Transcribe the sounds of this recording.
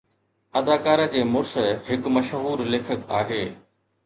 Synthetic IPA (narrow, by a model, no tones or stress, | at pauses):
ɐd̪aːkaːɾə̆d͡ʑeːmʊɾsəhɪkmɐʃɦuːɾleːkʰəkaːɦeː